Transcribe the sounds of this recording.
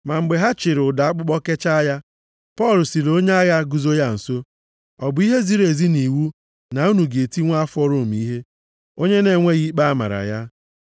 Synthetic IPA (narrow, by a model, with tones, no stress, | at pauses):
ma˨ŋ͡m̩˨ɡ͡be˨ɦa˦t͡ʃɪ˨ɾʊ˨da˨a˦k͡pʊ˦k͡pɔ˦ke˦t͡ʃa˦ja˦ | pɔ˦˨lsi˨lo˦ɲe˦a˦ɣa˦ɡu˦zo˦ja˦n̩˨so˦ | ɔ˨bʊ˨˦i˦ɦe˦zi˦ɾe˨zi˦ni˨wu˦ | na˨u˦nu˨ɡe˨ti˦ŋʷa˦a˦fɔ˦ɾo˨m̩˨i˦ɦe˦ | o˦ɲe˦ne˨ŋʷe˦ɣi˦k͡pa˦ma̰˨ɾa̰˨ja˦